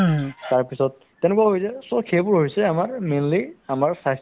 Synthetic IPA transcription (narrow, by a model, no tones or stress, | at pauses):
taɹpisɔt̚ːɛnɛkwaɦojzɛsɔkʰebʊɹɦojsɛamaɹmenliamaɹsas